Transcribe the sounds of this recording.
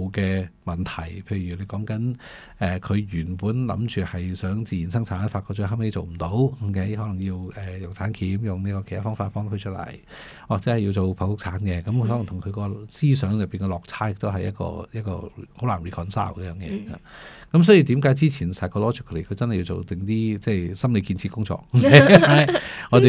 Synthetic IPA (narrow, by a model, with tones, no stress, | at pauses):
wkɛː˧mɐ˨˩nt̪ʰɐ˨˩jpʰe˧jɥy˨˩le˨˧jkɔː˨˥ŋkɐ˨˥n | ɛː˨kʰɵ˨˧ɥjyː˨˩npuː˨˥nlɐ̰˧˥mt͡ʃyː˨hɐ˨jsœː˨˥ŋt͡siː˨jiː˨˩nsɐ˥ŋt͡sʰaː˨˥nfaː˧tkʰɔ˧t͡ʃɵ˧ɦɐ˥mhe˧˥jt͡so˨˩wm̩˨˩t̪o˨˥wke˨˥jɦɔː˨˥lɐ˨˩ŋji˧wɛː˨jʊ˨wt͡sʰaː˨˥nkʰiː˨˥mjʊ˨ŋniː˥kɔː˧e˨˩˨t̪ʰa˥fɔː˥ŋfaː˧t̚pɔː˥ŋkʰɵ˧t͡ʃʰɵ˥lɐ̰˨˩j | waː˨k̚t͡sɛː˨˥hɐ˨ji˧wt͡so˨wpʰɐ˨˩wfʊ˥k̚t͡sʰaː˨˥nkɛ˧kɐ˨˦mkʰhɔ˨˥lɐ˨˩ŋt̪ʰʊ˨˩ŋkʰɵ˨˧ɥkɔː˧siː˥sœː˨˥ŋjɐ˨pːiː˨˩nkɛ˧lɔː˨k̚t͡sʰaː˥jɪ˨k̚t̪o˥wɦɐ˨jɐ˥t̚kɔ̰ː˧jɐ˥t̚kɔ̰ː˧ho˨˧˥wlaː˨˩nɹiː˨˩kʰɔː˨˩nsa̰ː˥˩wkɛ˧jœː˧ŋjɛ̰ː˨˧ha̰ː˧˩kɐ˨˥msɔː˨˥ji˧t̪iː˨˥mkaː˨˥jt͡siː˥t͡sʰiː˨˩nsaː˨jkʰɔː˧lɔː˨˥t͡ʃʰɪ˨˥kʰːle˨˩kʰɵ˧t͡sɐ˥nhjːi˧wt͡so̰˨wt̪ɪ˨˩ŋt̪iː˥t͡sɛː˧˩jsɐ˥mle˨˧jkiː˧nt͡sʰi˧kʊ˥ŋt͡sɔ̰ː˧k̚e˨˦a˧˥jŋɔː˨˧t̪e˨